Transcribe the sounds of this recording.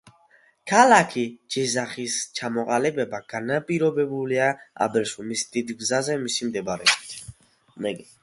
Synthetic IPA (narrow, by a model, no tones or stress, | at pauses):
kʰalakʰid͡ʒɛzaχist͡ʃʰamɔqʼalibɛbaɡ̥anapʼiɾɔbɛbuliaa̰bɛɾʃumisd̪̥id̪ɡzazɛmisimd̪ɛbaɾɛ̰bit̪ʰ | ɛ